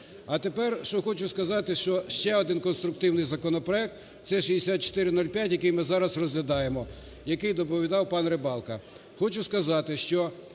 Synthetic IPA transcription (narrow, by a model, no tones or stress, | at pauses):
ɐt̪epɛrʃɔxɔt͡ʃʊskɐzɑt̪ɪʃt͡ʃɔʃt͡ʃɛɔd̪ɪnkɔnst̪ɾʊk̚t̪ɪwnɪjzɐkɔnɔpɾɔɛk̚t̪ | t̪sɛʃid̪esʲat̪̚t͡ʃɔ̥t̪ɪɾɪnulʲpʲjatʲjɐkɪjmɪzɑɾɐsrɔzʲlʲɐd̪ɑjemɔ | jɐkɪjd̪ɔpɔʋʲid̪ɑwpɑnrebɑlˠkɐ | xɔt͡ʃʊskɐzɑt̪ɪʃt͡ʃɔ